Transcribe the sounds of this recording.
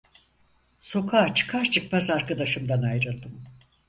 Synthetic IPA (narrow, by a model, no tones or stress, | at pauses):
so̞kʰaːt͡ʃʰɯ̥kʰaɾt͡ʃʰɯkmazaɾkad̪aʃɯmd̪anajɾɯlˠd̪ɯm